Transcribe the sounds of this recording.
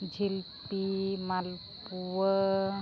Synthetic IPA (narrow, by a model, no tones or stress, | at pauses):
d͡ʒʱilpimalpuwə